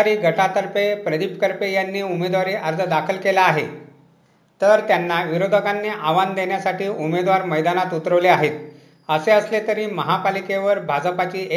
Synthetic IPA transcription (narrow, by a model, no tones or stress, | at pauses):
ɾiːɡʱəʈat̪əɾpepɾəd̪ipkəɾpejanːiːumed̪ʋaɾiːʔəɾd̪ʰəd̪akʰəlkelaːɦe | t̪əɾt̪janːaʋiɾod̪ʱəkanːiːʔaʋand̪enjasaʈiːʔumed̪ʋaɾməjd̪anat̪ut̪ɾəʋleaɦet̪ | əseəslet̪əɾiːməɦapalikeʋəɾbʱad͡zəpat͡ɕiːe